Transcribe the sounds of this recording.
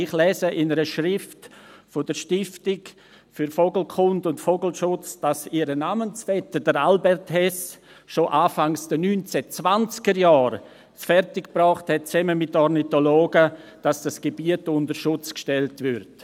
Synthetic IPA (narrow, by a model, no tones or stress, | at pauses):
ɪχlɛːzəʔɪnəɾəʃɾɪftfodəɾʃtɪftɪk | fʏɾfoɡl̩kʰʊndʊntfoɡl̩ʃʊt͡sd̥asiːɾənaːmənsfɛtədəɾalbɛrthɛs | ʃoʔaːfaŋsd̥ənyːnt͡sɛt͡svant͡skəɾjaːɾ | sfɛrtɪkb̥rɔːχthɛt̚t͡sɛməmɪtːɔrnitoloːɡəd̥asd̥asɡ̥ebiətʊndəɾʃʊt͡skʃtɛltvɪɾt